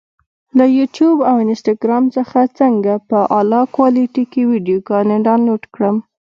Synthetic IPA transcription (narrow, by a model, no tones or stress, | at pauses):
lajuʈjubawɪnsʈɑɡɾɑmt͡səxat͡səŋɡapəʔɑlɑkwɑliʈikiwiɖijoɡɑneɖɑnoʈkɽəm